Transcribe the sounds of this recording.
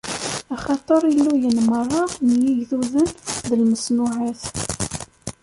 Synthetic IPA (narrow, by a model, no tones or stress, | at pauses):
æχɑt̪ˤəɾˤjəlːujənmərˤːɑnjiʝθuðənðəlməsnʊʕaθ